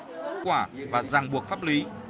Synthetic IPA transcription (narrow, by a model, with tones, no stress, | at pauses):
kwaː˧˩vaː˨˩zaː˨˩ŋɓu˨˩ək̚faː˦˥p̚li˨˦